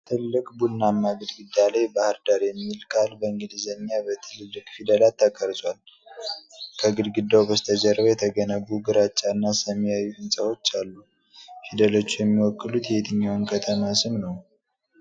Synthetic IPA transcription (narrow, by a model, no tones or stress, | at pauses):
t̪ʰɨllːɨkʼbulnamːaɡɨd̪ɡɨd̪ːalajbahɨɾd̪aɾjɛmːilkʰʼalbəɨŋɡɨd̪izəɲːabət̪ʰɨlɨlːɨkʼfid̪əlat̪ʰːakʼːəɾzʼwal | kʰəɡɨd̪ɡɨd̪ːawbəst̪ʰəd͡ʒəɾəβəjɛt̪ʰəɡənəβuɡɨɾat͡ʃʼːanːasəmːijajːuhɨnsʼəwo̞t͡ʃːalːu | fid̪əlo̞t͡ʃːujɛmːiwɔkʼːɨlut̪jɛet̪ʰɨɲːawnkʰət̪ʰəmasɨmnəw